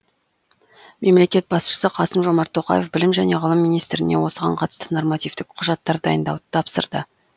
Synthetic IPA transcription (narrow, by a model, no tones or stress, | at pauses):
me̞mle̞kʲe̞t̪̚bɑsʃə̥səqʰɑsəmʒo̞mɑɾt̪ʰːo̞qɑ̰je̞fbɪlɪmʒæne̞ʁəlˠəmːijnijst̪ɾɪne̞wo̞səʁɑɴqʰɑt̪ə̥st̪əno̞rmɑt̪ijvt̪ɪk̚qʰʊʒɑt̪ːɑɾd̪ɑ̰jənd̪ɑ̰wd̪ət̪ʰɑpsə̰ɾd̪ə